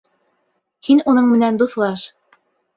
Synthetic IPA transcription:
hinunɤɴmɘ̆nænd̪uθlˠɑʃ

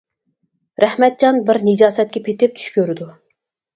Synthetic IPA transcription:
ɾæhmɛt̪̚d͡ʒɑnbɪɾnɨd͡ʒɑːsɛt̪̚kʲɛpʰet̪ɪp̚t͡ʃ̪ʰy̥ʃkʲyɾɪd̪u

